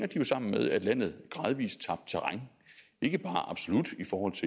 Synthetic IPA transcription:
ŋɐd̥ijo̝sɑ̈m̰n̩með̞ˠæd̥læn̰ð̞̩ˠɡ̥ʁɑ̈ːð̞ˠʋḭːst͡sʰɑ̈b̥̚d̥̚t͡sʰeʁɑŋ | e̝ɡ̥əb̥ɑ̈ːʔɑ̈b̥so̝lud̥ifɒːhɒ̽l̰t͡sʰe

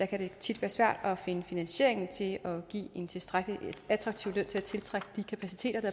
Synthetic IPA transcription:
ækʰæɾ̥e̝t͡sʰid̥ʋæːɐsʋæɐ̰d̥ɒ̽fe̝nəfinænɕe̝̰ɐ̰eŋn̩t͡sʰe̝lɒ̽ɡ̥ḭːe̝nt͡sʰe̝sd̥ʁaɡ̥liæd̥ʁɑɡ̥̚t͡sʰiʊløn̰t͡sʰe̝æt͡sʰe̝lt͡sʰʁaɡ̥əd̥ikʰæpʰæsit͡sʰe̝̰ːd̥ɐɾ̥ɑ̈

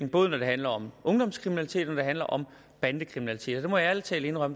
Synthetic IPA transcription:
ŋ̩b̥ɔːðˠnɒd̥e̝ɦænlɐɒ̽mʔɔ̽ŋd̥ɒ̽mskʰʁiminælit͡sʰe̝̰ːd̥nɒd̥e̝ɦænlɐʔɒ̽m | b̥ænd̥əkʰʁiminælit͡sʰe̝̰ːd̥ɒd̥e̝mɒ̽jɑælt͡sʰɛ̰ːləe̝nʁɶm

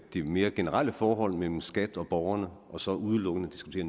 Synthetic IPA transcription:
d̥ime̝ːɐɡ̥e̝nəʁɑl̰əfɒːɦɒ̽l̰mel̰m̩sɡ̥æd̥ɒ̽b̥ɒʊɐnəʔɒ̽sɒ̽ʔuð̞ˠəlɔ̽ɡ̥ənəd̥isɡ̥u̥t͡sʰe̝ːɐn

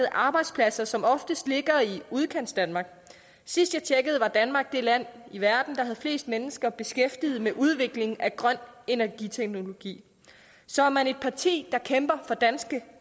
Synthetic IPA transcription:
ð̩ˠʔɑ̈ːb̥ɑ̈ɪd̥spʰlæsɐsɒ̽mɒ̽fd̥əsd̥le̝ɡ̥ɐiuð̞ˠkʰen̰sd̥ænmɑ̈ːɡ̥ | sisd̥jɑ̈ɪt͡ɕʰeɡ̥əð̞̩ˠʋɑ̈d̥ænmɑ̈ɡ̥̚d̥e̝læn̰iʋæɐd̥n̩d̥ɑ̈ɦæð̞̩ˠfle̝̰ːsd̥menəsɡ̥ɐb̥e̝sɡ̥efd̥ið̞̩ˠmeʔuð̞ˠʋe̝ɡ̥le̝ŋæɡ̥ʁɶn̰e̝næɐɡ̥it͡sʰeɡ̥no̝lo̝ɡ̥ḭː | sɒ̽æɐmæne̝d̥̚pʰɑ̈t͡sʰḭːd̥ɑ̈kʰemb̥ɐfɒ̽d̥ænsɡ̥ə

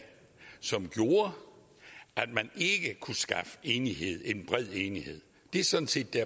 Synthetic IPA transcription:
sɒ̽mɡ̥jo̝ːɐ | æd̥mæne̝ɡ̥əkʰusɡ̥ɑ̈fəe̝ːnihe̝ð̞̰ˠe̝nb̥ʁɛð̞̰ˠeːnihe̝ð̰ˠ | d̥e̝sɒ̽n̩se̝̰ːd̥ːæɐ

